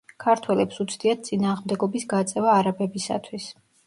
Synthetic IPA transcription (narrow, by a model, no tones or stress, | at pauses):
kʰaɾt̪ʰwɛlɛpsut̪sʰd̪iat̪̚t̪sʼinaːʁmd̪ɛɡɔbisɡat̪sʼɛvaːɾabɛbisa̰t̪ʰwis